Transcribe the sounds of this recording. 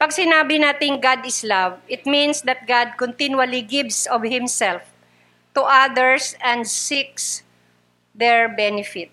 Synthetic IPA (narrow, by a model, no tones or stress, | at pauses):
pɐɡ̚sɪnaːbɪnaːt̪ɪŋɡad̪ɪslavɪt̪̚mĩnsd̪ɐt̪̚ɡad̪̚kʊnt̪inwɐliɡɪvsɔvhɪ̃msɛlf | t̪ʊʔad̪ɛɹsɛ̃nd̪sik̚s | d̪ɛɹbɛnɪfɪt̪̚